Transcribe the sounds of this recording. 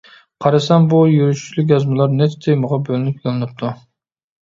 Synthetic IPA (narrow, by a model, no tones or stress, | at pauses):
qʰɑɾɨsɛmbujyɾyʃy̥t͡ʃʰlyk̬ʲjɑzmɨlˠɑɾnɛt̪t̪ʰejmʊʁɑbølynypjolˠɨnɨp̚t̪ʰu